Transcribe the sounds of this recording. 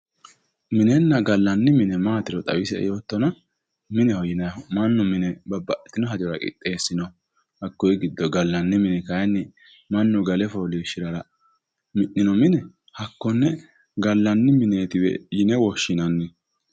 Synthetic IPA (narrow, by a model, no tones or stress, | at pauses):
mɪnɛnːɐɡɐlːɐnːɪmɪnɛmaːt̪ɪɾɔt̪ʼɐwɪsɛ̰jo̞ːt̪ːɔnɐ | mɪnɛhɔjɪnɐmɐnːʊmɪnɛbɐbːɐʔɛ̥t̪ːɪnɔɦɐd͡ʒ̪ɪɔɾɐkʼɪ̰t̪ʼːe̞ːsːɪnɔ | hɐkːɔjɡɪd̪ːɔɡɐlːɐnːɪmɪnɛkɐjnːɪ | mɐnːʊɡɐlɛfɔliːʃɪɾɐɾɐ | mɪʔɪnɔmɪnɛ | hɐkːɔnːɛ | ɡɐlːɐnːɪmɪneːt̪ɪwɛ̰jɪnɛwɔʃːɪnɐnːɪ